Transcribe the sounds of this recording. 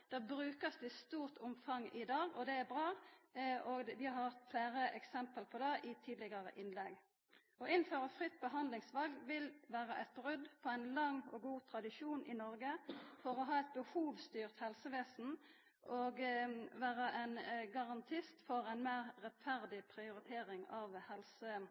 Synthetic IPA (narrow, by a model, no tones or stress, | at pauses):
d̪̥ɛːbɾʉːkəsʋ̪ɪst̪uːʁt̪ʰʊmfɑŋːɪd̪ɑːɡɔd̪ɛæbʁɑː | ʔɔʋɪɑhɑt̪fleːɾəʔɛksɛmpəlpʰɔd̪ɛʔɪt̪ʰiːd̪lɪɡɑʁə̰ʔɪnlɛɡ | ɔɪn̩ːføːʁəfʁɪt̪̚ːbəɦɑnd̪lɪŋsʋɑlɡ̪ʋɪlʋæːʁəʔɛt̪̚bʁʏd̪pʰɔæɪnlɑŋːɔɡuːt̪ʰɾɑd̪ɪʃuːnʔɪnɔʁɡəfɔʁɔɦɑːɛt̪̚bəhuːʋst̪yːʁt̪hɛlsəʋeːsn̩ | ʔɔɡʋæːʁəʔænɡɑʁɑnt̪ʰɪst̪fɔʁæɪnmeːʁːɛt̪fæʁd̪ɪpʰɾɪʊɾɪt̪ʰeːʁɪŋɑʋhɛlsə